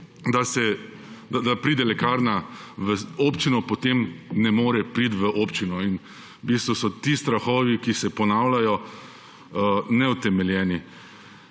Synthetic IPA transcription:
d̪asɛ | d̪ad̪apɾiːd̪ɛlɛkaːɾna | ʋəopt͡ʃinɔpɔt̪emnɛmoːɾɛpɾiːt̪ʋəʔoːpt͡ʃinɔin | bist̪ʋusɔt̪iːst̪ɾaxɔːʋikisɛpɔnaːwlajɔ | nɛut̪ɛmɛljɛːni

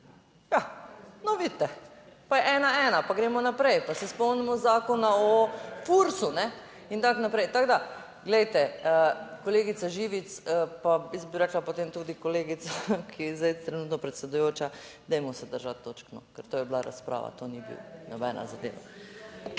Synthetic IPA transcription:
janɔʋit̪ːɛpajɛʔɛːnaɛːnapaɡɾeːmɔnapɾɛjpasɛspɔmnimɔzaːkɔnaɔfuɾsunɛ | int̪aknapɾɛjt̪aɡd̪a | ɡlɛjt̪ɛəkoleːɡit̪saʒiːʋit̪səpaisbiɾɛːklapot̪eːmt̪uːd̪ikoleːɡit̪sakʰiɛzajt̪ɾɛnuːt̪nɔpɾɛt̪sɛd̪ujoːt͡ʃad̪ɛjmɔsɛd̪əɾʒat̪ːoːt͡ʃknɔkəɾt̪oːjɛblaɾa̰spɾʔa̰ːʋa̰t̪onibḭwnɔbɛ̰ːnʔa̰zad̪ḛːʋa̰

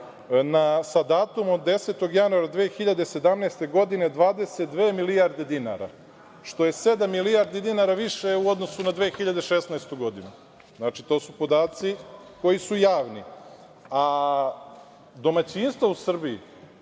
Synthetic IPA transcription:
nasad̪aːt̪umod̪ːe̞se̞t̪o̞ɡjanuaɾad̪ʋeːxiʎad̪e̞se̞d̪amnest̪e̞ɡo̞d̪ine̞d̪ʋaːd̪eset̪̚d̪ʋeːmilijaɾd̪e̞d̪ina̰ɾa̰ | ʃt̪o̞je̞sed̪amːilijaɾd̪id̪inaɾaʋiʃeuod̪nosunad̪ʋeːxiʎad̪eʃesnaest̪uɡo̞d̪inu | znat͡ʃit̪o̞ːsupo̞d̪aːt̪siko̞jisujaːʋni | a | d̪o̞mat͡ɕinst̪vousr̩biḭ

